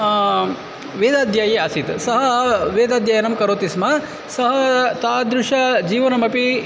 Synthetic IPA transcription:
ʋeːd̪aːd̪ʱjaːjeɐsit̪sɐɦɐʋeːd̪aːd̪ʱjaːjɐnɐmkɐɾoːt̪ismɐ | sɐɦɐt̪aːd̪ɾuʃɐd͡ʒiːʋɐnɐmɐpi

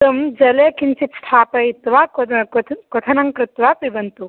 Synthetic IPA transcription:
ɐmd͡ʒɐleːkinsit̪sʈ̪ʰaːpɐit̪ʋaː | kot̪ʰɐnɐŋkɾɪt̪ʋaːpibɐnt̪u

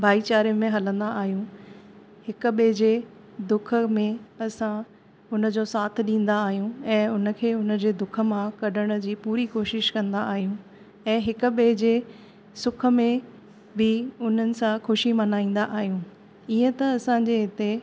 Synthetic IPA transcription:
bʱaːit͡ɕaːɾijə̃mẽɦɐlə̃n̆d̪aːɦijũ | hɪkʊ̆ɓed͡ʑeː | d̪ʊkʰə̆mẽɐsã | ʊnə̆d͡ʑosaːt̪ʰɪ̆ɗĩːn̆d̪aːɦijũɛ̃ːʊnə̆kʰeːʊnə̆d͡ʑeːd̪ʊkʰə̆mãkɐɗəɽ̃̆d͡ʑiːpuːɾikoːʃɪʃkɐ̃nd̪aaːɦijũ | ɛ̃ːɦɪkʊ̆ɓed͡ʑeː | sʊkʰə̆mẽ | bɪʊn̤ənɪ̆sãxʊʃimɐnaːĩːn̆d̪aʔaːɦijũː | iːə̃t̪ɐɐsãd͡ʑeɦɪt̪e

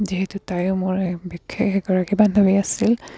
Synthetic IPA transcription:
ziɦɛtutajʊmʊɹɛbikʰːekɛɡɔɹakibanbʱabiasil

